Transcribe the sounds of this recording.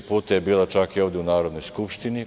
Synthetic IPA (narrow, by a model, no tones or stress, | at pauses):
puːt̪ajebiːlat͡ʃakioʋd̪jeunaːɾo̞d̪no̞jskupʃt̪ini